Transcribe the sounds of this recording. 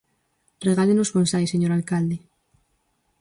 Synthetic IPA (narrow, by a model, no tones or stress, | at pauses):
reɣaʎenozβonsajseɲoɾalkald̪e